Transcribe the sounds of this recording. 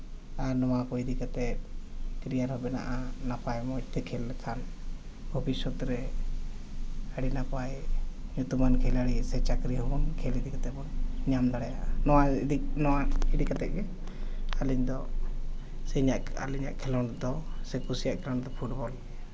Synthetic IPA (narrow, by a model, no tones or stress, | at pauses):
aɾnɔwakɔid̪ikat̪ɛt̪̚kɾijaɾhɔbɛna̰ʔanapajmɔit̪ɛkʰɛlɛkʰan | bʱɔbisɔt̪ɾɛ | aɽinapajɲut̪umankʰɛlaɽisɛt͡ʃakɾiɦɔbɔnkʰɛlid̪ikat̪ɛbɔnɲamd̪aɽɛja̰ʔnɔwadinɔwaid̪ikat̪ɛʔ̚ɡɛ | aliɲd̪ɔ | sɛɲaʔa̰liɲa̰ʔkʰɛlɔnd̪ɔsɛkusijaʔkʰɛlɔnd̪ɔpʰuʈbɔlɛ